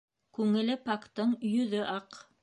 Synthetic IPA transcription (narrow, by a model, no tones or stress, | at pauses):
kʉŋɘ̆lɘpɑkt̪ɤɴjɵ̆ðɵʔɑq